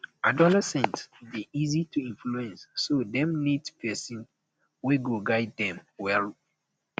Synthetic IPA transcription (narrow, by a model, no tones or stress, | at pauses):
adɔlɛsɛ̃ntsbiizitʰuĩnfluɛ̃nsːodɛ̃mnidpʰɛsĩn | weɡoɡaɪddɛ̃mwɛl